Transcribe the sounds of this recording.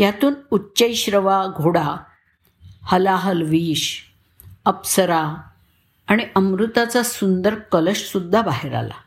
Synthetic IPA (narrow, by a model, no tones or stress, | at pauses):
jat̪uːnutːɕəjɕɾəʋaɡʱoɽa | həlaɦəlʋiːɕ | əpsəɾa | aɽ̃iʔəmɾut̪at͡sasund̪əɾkələɕsud̪ʱːabaɦeɾa̰la̰